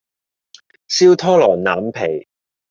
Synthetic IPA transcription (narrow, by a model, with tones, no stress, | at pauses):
siː˥wt̪ʰɔː˥lɔː˨˩ŋnaː˨˥mpʰe˨˩j